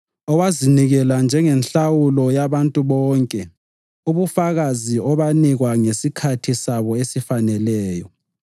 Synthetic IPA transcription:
ɔwaziniɣɛland͡ʒʱɛŋɛnɬawulɔjaβantʼuβɔːŋkʼɛ | uβufaɣaziɔβaniɣwaŋesikʰatʰisaβɔesifanɛlɛːjɔ

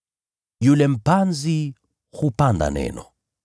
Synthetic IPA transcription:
julɛm̩panzi | hupanda̰nɛ̰nɔ

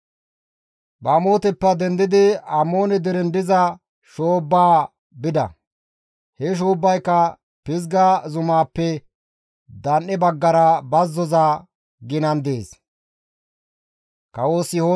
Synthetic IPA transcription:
bɐmo̞ːt̪ɛpːɐd̪ɛnd̪ɪd̪ɪɐmːo̞ːnɛd̪ɛɾɛnd̪ɪzɐ | ʃoːbːaː | bɪd̪ɐ̰ | hɛʃ̬oːbːɐjkːɐ | pɪzɡazʊmaːpːɛ | d̪ɐnːɛbɐɡːɐɾɐbɐzːɔza | ɡɪnɐnd̪eːs | kɐwoːsho

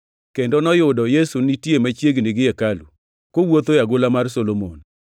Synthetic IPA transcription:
kendɔnɔjʊdɔjesunitjemat͡ʃjeɡnɪɡɪɛkalu | kowot̪ojaɡʊlamarsolomo̰n

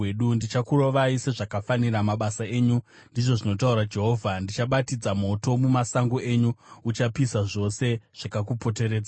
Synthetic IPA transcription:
eɗundit͡ʃakuro̞ʋaise̞ʐakafaniramaɓasaeːɲu | ndiʐo̞ʐino̞tauɾad͡ʒe̞ɦo̞ːvʱandit͡ʃaɓatid͡zamo̞to̞mumasaŋɡoe̞ɲuut͡ʃapisaʐo̞se̞ʐ̥akakupo̞t̬e̞ɾe̞ːd͡za

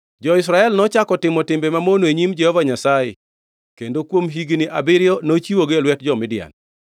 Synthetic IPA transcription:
d͡ʒɔɪsɾaɛlnɔt͡ʃakɔtɪmɔtɪmbemamonoeɲimd͡ʒɛhɔvaɲasajḛ | kendokwomɦiɡnɪʔabɪɾɪjɔnot͡ʃiwoɡelwɛt̚d͡ʒɔmɪdɪa̰n

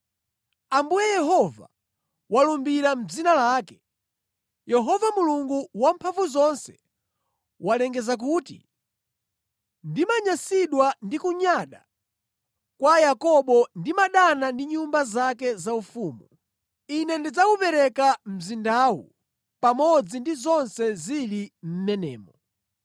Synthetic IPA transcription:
ambujɛjɛɦɔva̰ | walumbiɾam̩d͡zinalaːkɛ̥ | jɛɦɔvamuluŋɡuwampʰaɱvuzɔnsɛ̥ | walɛŋɡɛzak̬uːtḭ | ndimaɲasiɗwandikuɲaɗa | kwajakɔɓɔndimaɗanandiɲumbazakɛzaufuːmu | inɛndid͡zakupɛɾɛkam̩zindawṵ | pamɔd͡zindizɔnsɛzilim̩mɛnɛ̰ːmɔ

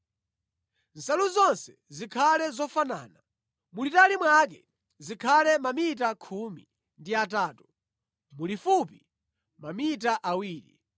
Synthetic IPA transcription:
n̩saluzɔnsɛ̥ | zikʰalɛzɔfana̰ːna | mulitalimwak̬ɛ | zikʰalɛmamit̬akʰumi | ndiataːtu | mulifupi | mamitaʔawiːɾḭ

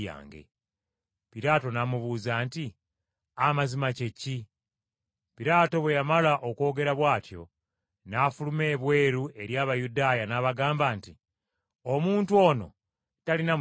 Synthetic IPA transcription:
a̰ːŋɡḛ | piɾaːto̞namuβuːzaːnti | amazimace̞ci | piɾaːto̞βwe̞jamalaʔo̞ko̞ːɡe̞ɾaβwaːtjo̞̰ | nafulume̞ːβwe̞ːɾuʔe̞ɾjaːβajudaːjanaβaɡaːmbaːnti | o̞muːntuo̞ːno̞̰ | talina

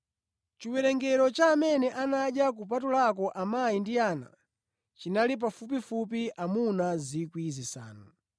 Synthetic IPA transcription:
t͡ʃiwɛɾɛŋɡɛɾɔt͡ʃamɛnɛʔanaʄjak̬up̬atulak̬ɔʔamajindiaːna̰ | t͡ʃinalip̬afup̬ifup̬iʔamunazikwizisa̰ːnɔ

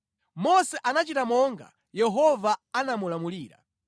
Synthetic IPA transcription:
mɔsɛʔanat͡ʃitamɔŋɡa̰ | jɛɦɔvaanamulamuliːɾa̰

